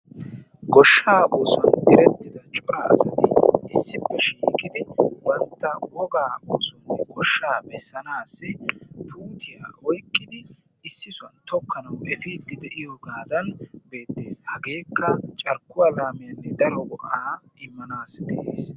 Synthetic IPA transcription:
ɡɔʃːaːʔoːsɐnɪɾɛt̪ːɪd̪ɐt͡ʃʼɔɾɐɐ̰sɐt̪ɪɪsːɪpːɛʃiːkʼɪd̪ɪbɐnt̪ːɐwɔɡaːʔoːsʊnːɛɡɔʃːaːbɛsːɐnaːsːɪpʰuːt̪ʰɪja̰ːʔɔjkʼːɪd̪ɪ | ɪsːɪsʊɐnt̪ɔkːɐnɐwʔɛfɪd̪ɪd̪ɛʔɪjɔɡaːd̪ɐnbe̞ːt̪ːe̞ːshɐɡe̞ːkːɐt͡ʃʼɐɾkːʊwalaːmɪjɐnːɛd̪ɐɾɔɡɔʔaːʔɪmːɐnaːsd̪ɛʔeːs

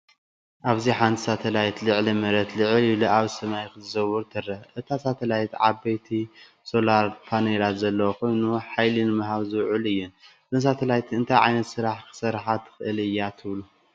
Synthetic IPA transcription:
ʔaβziħant̪ʰi̥sat̪ʰɐlajt̪lɨʕlimɐɾɐt̪lɨʕɨliluʔaβsɐmajkɨzɨzɐwɨɾt̪ʰɨrɐʔɨt̪ʰasat̪ʰɐlajt̪ʕa̰bajt̪ʰi | so̞laɾpʰanelat̪zɐlːɐwokʰo̞jnuħajlinɨmaɦaβzɨwʕulɨjːun | zɨnsat̪ʰɐlajt̪ʰɨnt̪ʰajʕa̰jnɐt̪sɨɾaħkʰɨ̥sɐɾħat̪ʰːɨ̥xɨʔɨlɨjːat̪ʰɨβlu

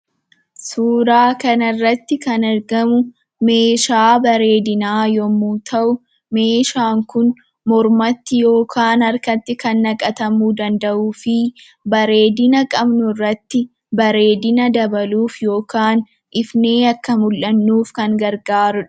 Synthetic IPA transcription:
suːɾaːkɐnɐrːɐt̪ːɪkɐnɐɾɡɐmʊ | me̞ːʃaːbɐɾe̞ːd̪ɪnaːjɔmːuːt̪ʰɐʔʊ | me̞ːʃaːŋkʊn | mɔɾmɐt̪ːɪjo̞ːkʰaːnɐɾkɐt̪ːɪkɐnːɐkʼɐt̪ɐmuːd̪ɐnd̪ɐʔuːfɪ | bɐɾe̞ːd̪ɪnɐkʼɐbnʊrːɐt̪ːɪ | bɐɾe̞ːd̪ɪnɐd̪ɐbɐluːfjo̞ːkaːn | ʔɪfne̞ːɐkːɐmʊlʔɐnːuːfkɐŋɡɐɾɡaːɾʊᶑɐ̥

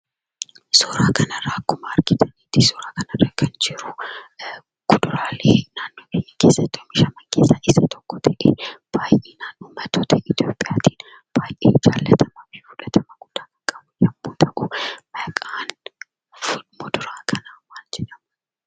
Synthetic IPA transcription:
sɔːɾaːkɐnɐrɐkːʊmɐːɾɡɪt̪ɐniːt̪ɪsɔɾaːkɐnɐrɐkʰɐnd͡ʒɪɾʊ | ɡ̥ʊd̪ʊɾaːleːnaːnːoːkeːɲːɐkeːsːɐt̪ːomɪʃɐmɐŋkeːsːɐʔɪsɐt̪ɔkːɔt̪ɐʔḛb̥aːjʔeːnaːnːoːmɐt̪oːt̪ɐʔɪt̪ijoːpʼːɪjaːt̪iːn | b̥aːjʔḛːd͡ʒaːlːɐt̪ʰɐmɐfjuːᶑɐt̪ʰɐmɐɡʊd̪̥ːaːmɐkʼːɐbʊjɐbːuːt̪ʰɐʔʊmɐkʼaːn | fʊlmɔd̪ʊɾaːkʰɐnawaːld͡ʒɛᶑɐmɐ

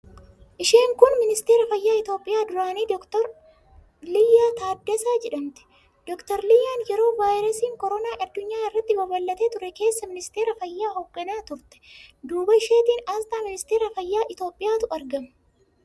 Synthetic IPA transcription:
ʔɪʃe̞ːŋkʊnmɪnɪst̪e̞ːɾɐfɐjːaːɪt̪o̞ːpʼːɪjaːd̪ʊɾaːniːd̪ɔkt̪ɔɾ | lɪjːaːt̪aːd̪ːɛsaːd͡ʒɛᶑɐmt̪ɛ̥ | d̪̥ɔkt̪ɔɾlɪjːaːnjɛɾo̞ːvaːjɾɐsiːŋkɔɾɔnaːʔɐd̪ːʊɲːaːɪrːɐt̪ːɪbɐbɐlːɐt̪eːt̪ʊɾɛke̞ːsːɐmɪnɪst̪eːɾɐfɐjːaːhɔɡːɐnaːt̪ʊɾt̪ɛ̥d̪uːbɐɪʃeːt̪iːnaːst̪aːmɪnɪst̪e̞ːɾɐfɐjːaːʔɪt̪o̞ːpʼːɪjaːt̪ʊɐɾɡɐmɐ

